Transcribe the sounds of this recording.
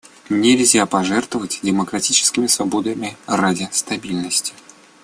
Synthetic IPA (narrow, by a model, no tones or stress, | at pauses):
nʲɪlʲzʲapɐʐɛrt̪vəvətʲdʲɪməkɾɐtʲit͡ɕɪ̥skʲɪmʲɪsvɐbod̪əmʲɪradʲɪst̪ɐbʲilʲnəsʲtʲɪ̥